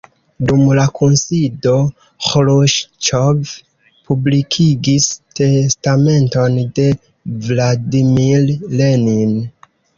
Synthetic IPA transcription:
dumlakunsido̞ | xloʃt͡ʃov | publikʰiɡiste̞stame̞nto̞nde̞ | vladimiɾlenin

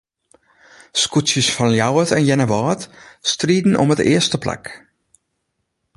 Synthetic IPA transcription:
skutsjəsfɔnljawətʰɛnjɛnəʋɔːtstriːdn̩ʔɔ̰mətɪ̰əstəpla̰k

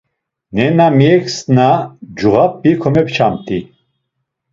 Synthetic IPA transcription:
nɛnamiɛksnad͡ʒuʁapːikʰɔmɛp̚ʰt͡ʃʰamt̪ʰi

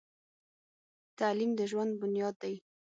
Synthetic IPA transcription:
t̪alimd̪əʒwand̪̚bʊnjɑd̪ːaj

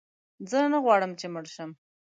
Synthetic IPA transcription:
zənəɣwɑɽəmt͡ʃeməɽʃəm

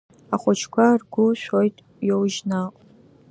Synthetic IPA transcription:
aχʷʊt͡ʃʰkʷʰarɡʷʊʃʷᶣojtʼ | jowʒnaqʷʼ

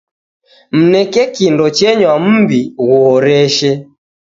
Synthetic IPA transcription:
m̩nɛkɛkindɔt͡ʃɛɲwam̩biɣɔːɾɛʃɛ

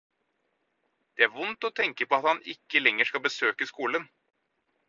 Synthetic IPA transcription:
d̪̥ɛæɾʋʊnt̪ɔt̪ʰɛŋkəpʰɔɑt̪hɑnɪkːəlɛŋːəʂkɑlbəsøːkəskuːlən

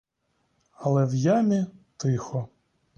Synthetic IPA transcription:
ɐlˠɛwjamʲit̪ɪxɔ

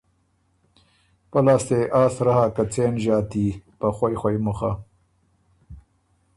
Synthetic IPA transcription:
pɐlaːst̪eʔaːsɾɐhakɐt͡seːnʑaːt̪ipɐxwojxwɐjmuxa

